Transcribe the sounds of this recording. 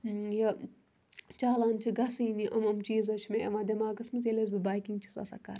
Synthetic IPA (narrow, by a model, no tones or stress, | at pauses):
jɐ | t͡ʃaːlaːnt͡ʃʰiɡɐsiːniʔɐmɐmt͡ʃiːzɐt͡ʃʰmẽʔɐʋãːd̪ʲɐmaːɡɐsmɨt͡selez̬bibaːjkiŋɡt͡ʃʰi̥sɐ̰sɐ̰kɐɾ